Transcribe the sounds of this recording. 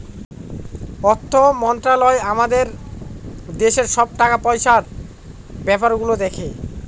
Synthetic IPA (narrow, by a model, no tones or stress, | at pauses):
ɔt̪ʰːomɔnt̪ɾalɔeamad̪eɾ | d̪eʃeɾʃɔb̚ʈakapɔjʃaɾ | bɛpaɾɡulod̪ekʰe